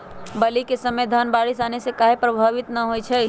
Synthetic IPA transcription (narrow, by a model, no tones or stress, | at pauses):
bɐlikesɐməjd̪ʱanbaːɽɪsaːnesekaːɦepɾɐbʱaːʋɪt̪naɦoit͡ʃʰɛ